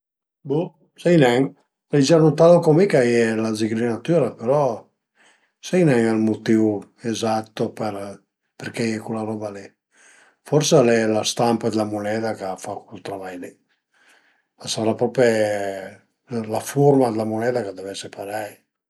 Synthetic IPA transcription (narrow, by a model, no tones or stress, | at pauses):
bu | sɛjnɛŋ | lajd͡ʒanut̪aðokomikajɛlaziɡɾinat̪yɾapeɾɔ | sɛjnɛŋalmot̪iu | ezat̪ːopeɾ | peɾkɛɛkulaɾɔbalɛ | fɔɾsalɛlast̪ampad̪lamunɛd̪akafakut̪ɾamajnɛ | asaɾapɾɔpe | lafuɾmad̪elamunɛːd̪akad̪ovɛsepaɾaj